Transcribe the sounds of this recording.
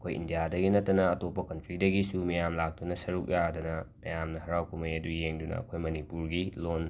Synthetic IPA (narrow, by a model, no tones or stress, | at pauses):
ɐkʰojḭndijadɐɡinɐtːɐnɐːtopːɐkɐntɾidɐɡisumɐjamlak̚tunɐsɐɾuk̚jadɐnɐmɐjamnɐhɐɾawkumɐjɐdujeŋdunɐ̰ɐ̰kʰojmɐnipuɾɡilon